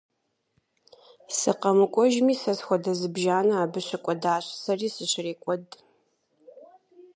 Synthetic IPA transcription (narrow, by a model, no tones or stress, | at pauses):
sɨqɐmɨkʷʼɔʒmiːsɐsxʷɔdɐzɨbʒaːnɐaːbɨɕɐkʷʼɔdaːɕsɐriːsɨɕreːkʷʼɔd